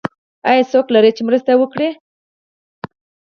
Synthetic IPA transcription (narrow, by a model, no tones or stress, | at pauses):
ajasoklaɾet͡ʃemɾəst̪awəkɽe